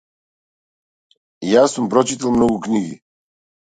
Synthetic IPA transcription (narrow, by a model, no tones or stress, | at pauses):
jaːsumpɾɔt͡ʃit̪alˠmnɔɡukniɡḭ